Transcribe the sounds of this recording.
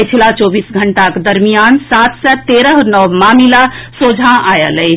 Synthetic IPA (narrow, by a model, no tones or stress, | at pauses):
t͡ʃʰilat͡ʃɔbiːsɡʱəɳʈakd̪əɾmijansat̪ʰsət̪eɾəɦnɔwmamilasod͡ʒʱãajəlɛɪ